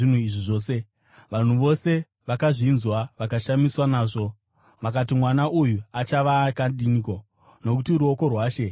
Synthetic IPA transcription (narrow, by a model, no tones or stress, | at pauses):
in̤uiʐiʐo̞ːse | ʋan̤uʋo̞se̞ | ʋakaʐinzwaʋakaʃamiswanaːʐo̞ | ʋakat̬imwanaʔujuat͡ʃaʋakandiniko̞ | no̞kutiɾuoko̞rwaːʃe̞